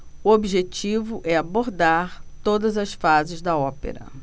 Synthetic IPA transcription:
ʊobiʒet͡ʃivʊʔɛaboɾd̪aɾt̪od̪ɐzɐsfazɪzd̪ɐɔpḛɾɐ̰

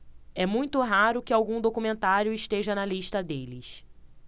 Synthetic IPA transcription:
ɛmũj̃t̪ʊɦaɾʊkɪawɡũd̪okumẽnt̪aɾjʊɪʃt̪eʒɐnɐliʃt̪ɐd̪elɪs

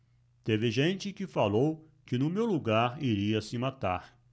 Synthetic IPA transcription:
t̪evɪʒẽnt͡ʃɪkɪfalow | kɪnʊmewluɡaɾiɾiɐsɪmat̪aɾ

